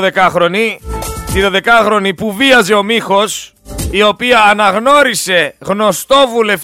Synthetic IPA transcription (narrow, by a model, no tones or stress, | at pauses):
ðe̞kɐxɾo̞nit̪iðo̞ðe̞kɐxɾo̞nipuviɐze̞o̞mixo̞s | io̞piɐːnɐɣno̞ɾise̞ɣno̞st̪o̞vule̞f